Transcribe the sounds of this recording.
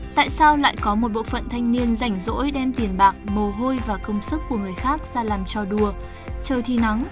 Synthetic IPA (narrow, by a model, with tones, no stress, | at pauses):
t̪a̰ː˧˨jsaː˧wla̰ː˧˨jkɔ˨˦mo˨˩t̚ɓo̰˧˨fə̰˧˨nt̪ʰa˧jŋ̟ni˧ənza˨˧˩jŋ̟zo̰˧˥jɗɛ˧mt̪i˨˩ənɓaː˨˩k̚mə˨˩wɦo˧jvaː˨˩kə˧wŋ͡msɨ˦˥kːu˧˩əŋɨ˨˩əjxaː˦˥k̚z̥aː˧laː˨˩mt͡ɕɔ˧ɗu˨˩ə | t͡ɕəː˨˩t̪ʰi˨˩na˨˦ŋ